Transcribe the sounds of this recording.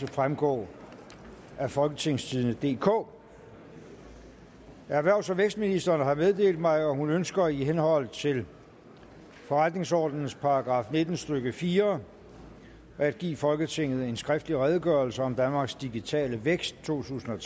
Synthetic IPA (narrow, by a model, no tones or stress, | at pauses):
efʁamɡ̥ɔ̰ː | æfɒ̽lɡ̥ət͡sʰe̝ŋ̰st͡sʰið̞ˠnəd̥e̝̰ːkʰɔ̰ː | æɐʋæɐʊsæʋeɡ̥sd̥̚minisd̥ɐːnəɦɑ̈meðˠd̥e̝̰ːld̥̚mɑ̈ɪɒ̽hunønsɡ̥ɐiɦenhɒ̽l̰t͡sʰe̝l | fɒ̽ʁad̥ne̝ŋsɒ̰ːd̥nn̩spʰɑ̈ɑɡ̥ʁɑ̈ːfne̝d̥n̩sd̥øɡ̥əfiːɐ | æd̥̚ɡ̥ḭːfɒ̽lɡ̥ət͡sʰe̝ŋ̰ð̞̩ˠe̝nsɡ̥ʁɛfd̥liʁɛð̞ˠəɡ̥ɶɐlsəɒ̽md̥ænmɑ̈ːɡ̥sd̥iɡ̥it͡sʰɛ̰ːləʋeɡ̥sd̥̚t͡sʰo̝̰ːt͡sʰṵːsn̩ɒ